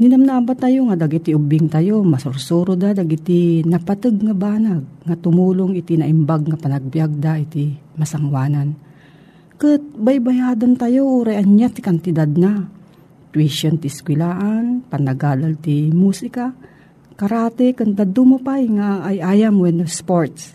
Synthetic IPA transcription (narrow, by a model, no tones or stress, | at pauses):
nɪnamnaabat̪ajoŋad̪aɡit̪iʔʊbɪŋt̪ajomɐsʊɾsuːɾod̪ad̪aɡɪt̪ɪnɐpat̪ɨɡ̚ŋabaːnaɡ̚ŋat̪ʊmuːloŋɪt̪ɪnɐʔɪmbaɡ̚ŋapanɐɡ̚bjaɡ̚d̪aɪt̪ɪmɐsaŋwaːnan | kɨt̪̚bajbajaːd̪ant̪ajoʔuːɾajɐnjat̪ɪ̥kant̪ɪd̪ad̪̚na | t̪wiʃont̪iɪskwɪlaːʔanpɐnɐɡaːd̪alt̪imuːsɪka | kɐɾaːt̪ɛkɨnd̪ad̪ʊmʊpajŋaʔːjʔajamwɛnospoɹt̪s